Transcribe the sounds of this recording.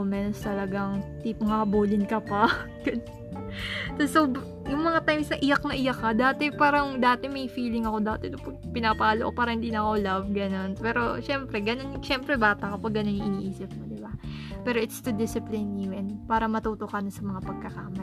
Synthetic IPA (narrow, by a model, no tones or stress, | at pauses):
mɛnst̪ɐlɐɡɐŋt̪ipŋɐbuːlɪnkɐpɐ | ɡ̥ɐ | t̪ɐso | jʊŋmɐŋat̪ajmsnɐʔɪjɐk̚nɐʔɪjɐkːɐd̪aːt̪ɛpaːɾɐŋd̪aːt̪ɛmɐjfiːlɪŋɐko̞d̪aːt̪ɛt̪ʊpɐɡ̚pɪnaːpaɐloʔopaːɾɐhɪnd̪iːnɐkolabɡɐno̞npɛːɾo̞̰ʃɛmpɾɛɡɐno̞nʃɛmpɾɛbaːt̪ɐkɐpɐɡɐno̞nɪʔɪniʔiːsɪp̚mod̪ɪbapɛːɾo̞ʔɪt̪st̪ud̪ɪsɪplɪnuɛnpaːɾɐmɐt̪uːt̪okanɐsɐmɐŋapɐɡ̚kɐkaːmɐ